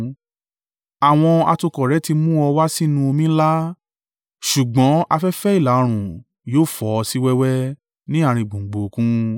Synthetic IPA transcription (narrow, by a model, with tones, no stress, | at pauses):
a˨w̃ɔ̃˧a̰˧to˧kɔ˨ɾɛ˨˦ti˧mũ˦ɔ˧wa˦si˦nũ˧o˧mĩ˦la˦ | ʃu˨ɡ͡bɔ̃˨˦a˧fɛ˦fɛ˦i˦˨la˨˦˧ɾ̃ũ˨ | joː˦˨fɔ˨˧ɔ˧si˦wɛ˦wɛ˦ | nĩ˦a˦˧˨ɾ̃ĩ˧˨ɡ͡bõ˨ɡ͡bo˨˧kũ˦